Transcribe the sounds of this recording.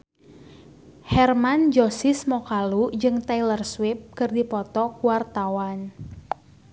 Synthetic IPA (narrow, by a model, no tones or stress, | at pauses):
hɛrmand͡ʒosɪsmɔkalud͡ʒɨŋt̪ɛilərswɪp̚kɨrdipɔt̪ɔkuwart̪awan